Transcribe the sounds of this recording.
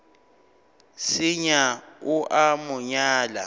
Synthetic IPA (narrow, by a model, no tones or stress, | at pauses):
sɪɲaʊʔamʊɲaːla̰